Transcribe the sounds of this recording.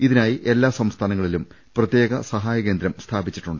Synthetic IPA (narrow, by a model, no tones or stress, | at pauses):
iðinaːjiʔelːaːsɐmst̪ʰaːnɐŋːɐɭilum | prɐt̪je̞ːɣɐsɐɦaːjɐke̞ːnd̪ɾjɐmst̪ʰaːbit͡ɕːi̥ʈːuɳɖɨ